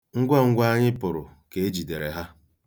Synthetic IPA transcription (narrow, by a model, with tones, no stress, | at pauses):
ŋ̩˦ɡʷa˦ŋ̩˦ɡʷa˦ɲɪ˦pʊ˨ɾʊ˨ke˨e˦d͡ʒi˨de˨ɾe˨ɦa˦